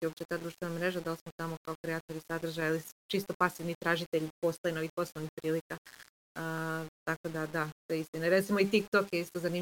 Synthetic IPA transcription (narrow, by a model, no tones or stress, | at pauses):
opt͡ʃet̪aːd̪ɾuʃt̪ʋe̞namɾe̞ʒad̪alsmot̪amo̞kaokɾeat̪oɾisad̪r̩ʒajalit͡ʃist̪o̞pasiʋnit̪ɾaːʒit̪eʎpo̞st̪ojeno̞ʋixpo̞snoʋnixpɾiːlika | ət̪ako̞d̪ad̪at̪ojeist̪inaɾe̞t̪simoit̪ikt̪o̞kjeist̪ozani